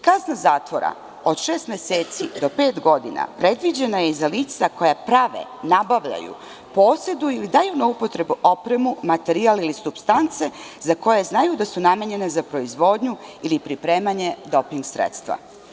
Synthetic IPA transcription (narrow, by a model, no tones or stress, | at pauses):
kaznazaːt̪ʋo̞ɾa̰ | o̞d̪ʃeːst̪mʲjeseːt̪sid̪o̞pe̞ːt̪ɡo̞d̪ina̰pɾe̞d̪ʋid͡ʑe̞najezaliːt̪sako̞japɾaʋḛnabaʋʎa̰jṵ | po̞ːse̞d̪uilid̪ajunaupo̞t̪ɾe̞buʔo̞pɾe̞mumat̪e̞ɾialilisupst̪ant̪se̞zako̞jeznajud̪asunameɲe̞nezapɾo̞izʋo̞d̪ɲuilipɾipɾe̞ːmaɲe̞d̪o̞piŋɡsɾḛt̪st̪ʋa̰